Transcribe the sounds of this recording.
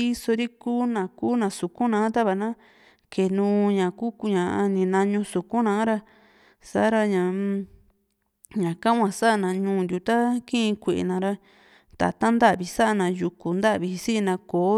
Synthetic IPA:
i˦so˧ɾi˦kuː˦nã˨kuː˦nã˨su˨kũ˦nã˨˦t̪a˦βa˧˨nã˦ | kʰe˨nũ˧˦ɲã˨ku˦ku˧ɲã˨˧nĩ˨nã˧ɲũ˧su˨kũ˦nã˨˦ɾa˧ | sa̰˦ɾa˧ɲã˨˧ | ɲã˨kã˦ŋʷã˧sa˦˧nã˨ɲũː˧˦˨nd̪ʲu˨t̪a˦kĩ˦ĩ˧kʷe˨ʔḛ˨nã˧ɾa˧ | t̪a̰˨t̪a˦nd̪a˦ʔβi˧sa˦ʔa˦nã˨˧ju˨ku˨nd̪a˦ʔβi˧i˧si˦ʔnã˧koː˨˦

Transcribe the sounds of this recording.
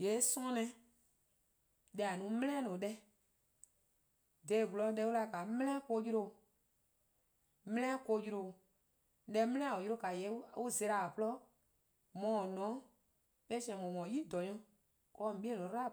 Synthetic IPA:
je˨˦sɔ̃˦nɛ̃˧ | ɗɛ˧˦a˨nũ˨˦mɛ̃˦lɛ̃˦nɔ̃ː˨˦ɗɛ˦ | de˨ɡu˨lɔ˧˦ɛ˧˦u˦la˧˨ka˨˦mɛ̃˦lɛ̃˦ko˧ji˦ɾo˧˨ | mɛ̃˦lɛ̃˦ko˧ji˧ɾo˧˨ | ɗɛ˧˦mɛ̃˦lɛ̃˦a˨o˨jɾo˧˦ka˨jɛ˨˦u˦ze˧˦ɾa˨a˨plɔ˦ | mɔ̃˨nɔ̃˨˦ | ɓe˦sĩ˦ɛ̃˨mɔ̃˨mɔ̃˨˦ji˦dɔ˨ɲɔ̃˧ | kɔː˧˦˨ɓi˦e˦nɔ̃˨˦ta˦˨

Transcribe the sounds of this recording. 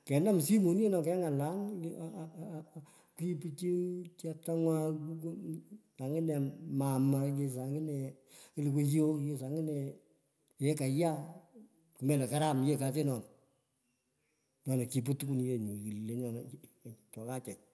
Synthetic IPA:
kɛ˨nda˦˨m˨si˦mo˨n˦e˦nɔ˨kɛ˨˦ŋa˨la˦n˨ | ku˦i˦pi˦t͡ʃi˦t͡ʃa˦ta˦ŋwa˦kk | a˨ŋɪ˦nɛ˨ma˨ma˨ke˦sa˨ŋɡɪ˦nɛ˨ | ki˦lɪ˨ke˦t͡ʃi˦o˦kke˦sa˨ŋɪ˦nɛ˨ | je˦ka˨ja˦ | ku˨mɛ˨lɛ˨ka˦ɾa˦m˨je˦ka˨te˦nɔ˨n | ɲɔ˨nɔ˨ki˨p̬o˦tu˦ku˦n˨je˦˨ɲu˨ki˨lle˨ɲɔ˨n˨ | t͡ʃɔ˨ka˦t͡ʃɛ˨t̚

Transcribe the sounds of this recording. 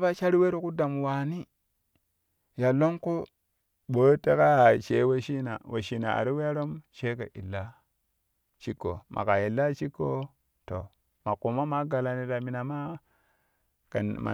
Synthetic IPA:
ba˦ʃa˦ɾi˦we˦ɾo˦ku˦da˨m˨wa˨ni˦ | ja˨lo˦mko˦ | ɓo˨jte˦ka˦a˨ʃe˨˦wa˦ʃi˦na̰˨wo˨ʃi˨na̰˨a̰˨ɾi˦we˦a˦ɾo˦mʃe˦ka˨ʔi˨lːa˦ | t͡ʃi˦kːo̰˨mʔa̰˨ka˨i˨lːa˦t͡ʃi˦kːo˦ | to̰˨ | ma˨ku˨ma˦ma˨ɡa˨la˦ni˦ta˨mi˨na˨ma˦ | ka˨ma̰˨

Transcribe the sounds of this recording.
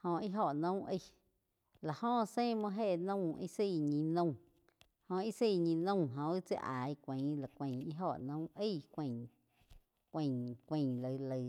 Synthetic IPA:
hõ˧i˦ɦo˧˨ʔnõ˦ʔə˦˧˨ | la˨hõ˦˨sẽ˦˨mɔ̃˧ɦe˦˧˨nə̃˦˧˨i˦si˦˧˨ɲĩ˧nə̃˦˧ | hõ˧i˦si˦˧˨ɲĩ˧nə̃˦˧˨ɦõ˧i˦t͡sḛ˧ʔa˨i˦˧kʷẽ˨˦la˨kʷẽ˧˨i˦ɦo˧˨ʔnõ˦ʔə˦˨kʷẽ˧˨ŋ | kʷẽ˧˨kʷẽ˧˨lə˧˨lə˧

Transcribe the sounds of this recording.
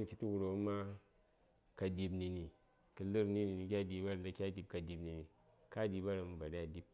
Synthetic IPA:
n˨kʲi˦tu˦wu˨ɾo˨˦ma˦ | ka˧di˧bni˧ni˨ | kɨ˧lɨ˦ɾni˦ni˨ni˨kʲa˦˨di˧ba˦ɾa˨da˧kʲa˦di˨p̚ka˨di˧bni˨ni˨ | ka˦di˨˧ba˦ɾa˨m˨ba˨da˦˨di˦p̚

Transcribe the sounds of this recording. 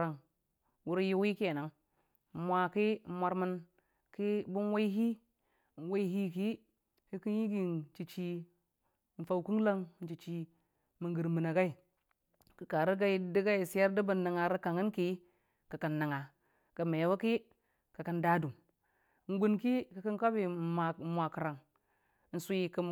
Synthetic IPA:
ɾa˨ŋ | wu˦ɾju˦wi˦ke˨na˨˦ŋ˨˦ | mʷa˨ki˦mʷa˦ɾmə˦n | ki˦bu˦nwa˦i˦ɦi˦˨ | n˨wa˦i˦ɦi˦ki˦ | hi˦ki˦nji˦ɡi˨n˨t͡ʃi˨t͡ʃi˦˨ | n̩˨fa˨wku˦ŋla˦ŋ˨n̩˨t͡ʃi˨t͡ʃi˨ | mə˨ŋɡə˨ɾmi˨na˨ɡa˦i˨ | kə˨ka˨ɾi˦ɡa˦i˦di˦ɡa˦i˨si˦ja˦ɾdə˦bə˨nːə˨ŋa˨ɾi˦ka˨ŋi˦nki˦ | kə˨ka˨nːa˨ŋa˨ | kə˨me˨wa˦ki˦ | ka˨ka˨nda˦du˨m˨ | ŋ˦ɡu˦nki˦ki˨˦ki˦nka˦bi˨a˨˦mʷa˨kə˨ɾa˨ŋ˦ | n̩˨su˦i˨ki˦

